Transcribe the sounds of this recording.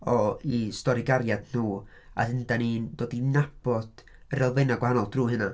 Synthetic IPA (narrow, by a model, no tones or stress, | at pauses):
ɔistɔɾiɡaɾjadn̥uː | a̰ðɪndaniːnd̥wodinab̥ɔd̥ | əɾɛlˠvejnaɡwahanɔlˠd̥ruːɦɨna